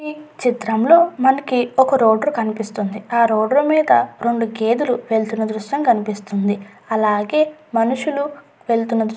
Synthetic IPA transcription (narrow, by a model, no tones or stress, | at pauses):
iːt͡ʃit̪ɾɐmlo̞ːmɐnɐkiɔkɐɾo̞ːɖɐɾkɐnipist̪und̪iaːɾoːɖɐɾumiːd̪ɐɾe̞ɳɖuɡe̞ːd̪uluʋe̞ɭt̪unːɐd̪ɾuʃjɐmkɐnipist̪und̪i | ɐlaːɡe̞ːmɐnuʂulu | ʋe̞ɭt̪unːɐd̪